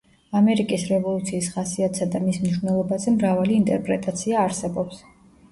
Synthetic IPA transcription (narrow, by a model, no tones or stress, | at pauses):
amɛɾikʼisɾɛvɔlˠut̪sʰiːsχasiat̪ʼsad̪amismniʃvnɛlˠɔbazɛmɾavaliːnt̪ʼɛɾpʼɾɛt̪ʼat̪sʰiaːɾsɛbɔps